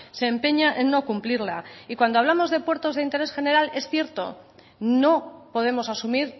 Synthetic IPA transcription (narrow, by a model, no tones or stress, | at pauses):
se̞ːmpe̞ɲaʔenːo̞kumpliɾlaikwand̪oaβ̞lamo̞zð̞e̞pwe̞ɾt̪o̞zðeint̪e̞ɾe̞sxe̞ne̞ɾale̞sθje̞ɾt̪o̞̰ | no̞po̞ð̞e̞mo̞sasumiɾ